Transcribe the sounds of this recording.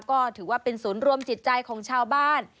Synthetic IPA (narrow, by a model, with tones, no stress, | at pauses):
kɔː˥˩t̪ʰɯː˩˦waː˥˩pe˧nsuː˩˦nɾu˧əmt͡ɕi˨˩t̪̚t͡ɕa˧jkʰɔː˩˦ŋt͡ɕʰaː˧wbaː˥˩n